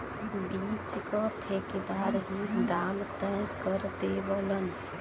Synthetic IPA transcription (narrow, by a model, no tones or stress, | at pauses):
biːt͡ʃkɔt̪ʰeːkd̪aːɾɦid̪aːmt̪ɛ̃kəɾt̪eʋələn